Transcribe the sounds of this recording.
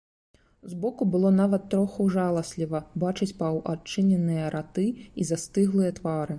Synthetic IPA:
zbɔkubɨlˠɔnavɐt̪ːɾɔxɐwʐalˠɐsʲlʲivɐbat͡ʂɨt͡sʲpɐwʔat͡ʂːɨnʲɛnːɨjɐɾʔat̪ɨizast̪ɨɣlˠɨjɐt̪vaɾɨ

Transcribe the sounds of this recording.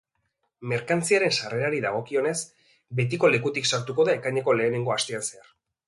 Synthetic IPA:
me̞ɾkant͡siaɾe̞nsare̞ɾaɾiðaɣ̞o̞kio̞ne̞s | be̞t̪̬iko̞le̞kut̪iksaɾt̪uko̞ðaekaɲeko̞le̞ːne̞ŋɡo̞ast̪eansear

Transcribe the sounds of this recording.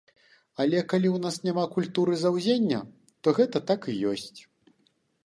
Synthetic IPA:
ɐlʲɛkalʲiwnasnʲamakulʲt̪uɾɨzawzʲenʲːɐ | t̪ɔɣɛt̪ɐt̪akijɔsʲt͡sʲ

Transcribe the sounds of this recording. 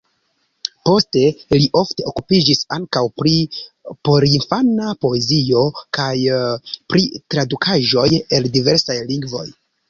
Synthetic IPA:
po̞ste̞liʔo̞fte̞o̞kupid͡ʒisa̰ŋkawpɾipo̞ɾinfanapo̞e̞zio̞kajpɾitɾadukʰaʒo̞je̞ldive̞ɾsajliŋɡvo̞̰j

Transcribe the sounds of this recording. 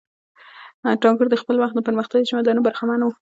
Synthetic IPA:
ʈɑŋɡuɾd̪əxpəlwaxt̪̚d̪əpəɾməxt̪aɡit͡ʃamad̪ɑnubaɾxamanawu

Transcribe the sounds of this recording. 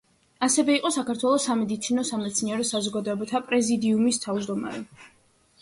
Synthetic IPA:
asɛvɛiqʼɔsakʰaɾt̪ʰwɛlˠɔsamɛd̪it̪sʰinɔsamɛt̪sʰniɛɾɔsazɔɡad̪ɔɛbat̪ʰapʼɾɛzid̪iumist̪ʰavd͡ʒd̪ɔma̰ɾɛ

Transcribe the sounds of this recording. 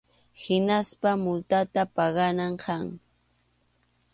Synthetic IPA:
hɪnaspamʊlt̪at̪apɑɢɑnaɴkʰɑŋ

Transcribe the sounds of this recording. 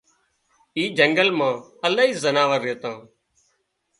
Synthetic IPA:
iːd͡ʒəŋɡəlmãːəlaːiːzənaːʋəɾːeːt̪ãː

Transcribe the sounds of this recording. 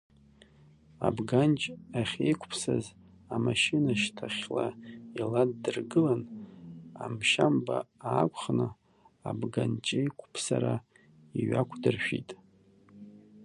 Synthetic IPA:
abɡant͡ʃʼaχʲejkʷʰpʰsaz | amaʃɪnaʃtʰaχʲlailadːɨrɡɨlan | amʃambaaːkʷʰʼχnɨ | abɡant͡ʃʼejkʷʰʼpʰsaɾa | iɥakʷʰdɨrʃᶣitʼ

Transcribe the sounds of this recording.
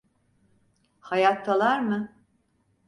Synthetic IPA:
hajat̪ʰːalˠaɾmɯ

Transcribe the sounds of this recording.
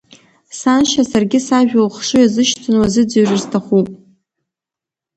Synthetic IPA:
sanʃasarɡʲɪsaʒᶣolχʂɨjazɨʃtʰɨnwazɨd͡zaɥrɨrztʰaχupʼ

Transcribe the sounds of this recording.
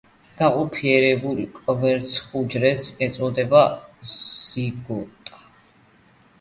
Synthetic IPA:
ɡ̥aqʼɔpʰiɛɾɛbulkʼvɛɾt̪sʰχud͡ʒɾɛt̪sɛt̪sʼɔd̪ɛba | z̥iɡɔt̪ʼa

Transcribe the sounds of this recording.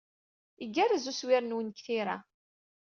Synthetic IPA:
iɡːærəzuswɪɾnwənkθiɾa̰

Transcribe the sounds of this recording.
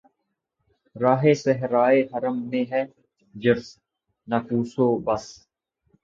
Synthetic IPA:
ɾaːɦeːsəɦɾaːeɦəɾəmːẽːɦɛː | d͡ʒɪɾs | nakuːsoːbɐs

